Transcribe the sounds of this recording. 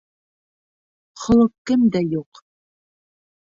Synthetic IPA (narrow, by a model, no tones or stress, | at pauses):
χɤ̆lˠɤq̚kɘmd̪æjuq